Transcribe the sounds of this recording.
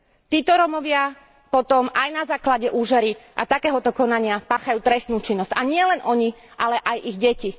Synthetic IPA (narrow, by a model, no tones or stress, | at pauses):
t̪iːt̪ɔɾɔmɔʋɪa | pɔt̪ɔmajnazaːklaɟɛʔuːʒɛɾiʔa̰t̪akɛːɦɔt̪ɔkɔnaɲɪapaːxajuːt̪ɾɛst̪nuːt͡ʃinːɔz̥caɲɪɛlɛnʔɔɲiʔalɛʔajʔiɣɟɛci